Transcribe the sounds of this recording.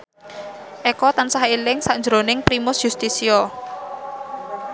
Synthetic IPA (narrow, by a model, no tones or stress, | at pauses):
ʔɛkɔt̪ansahilɪŋsaɲd͡ʒɾonɪŋpɾimʊsjust̪isiɔ